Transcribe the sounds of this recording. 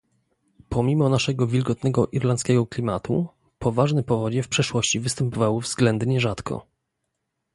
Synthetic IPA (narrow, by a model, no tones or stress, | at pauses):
pʰɔmʲimɔnaʂɛɡɔvʲilɡɔt̪nɛɡɔʔiɾlant̪skʲɛɡɔklʲimat̪ṵ | pʰɔvaʐnɘpɔvɔd͡ʑɛfpʂɛʂwɔɕt͡ɕivɘst̪ɛmpɔvawɘvzɡlɛnd̪ɲɛʐat̪kʰɔ̰